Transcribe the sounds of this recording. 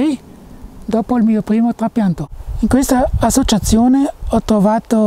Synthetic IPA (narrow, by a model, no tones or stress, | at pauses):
i | d̪ɔːpoilmiːopɾiːmot̪ɾapjant̪oiŋkwest̪aːsːot͡ʃat̪sːjoːneɔt̪ɾovaːt̪o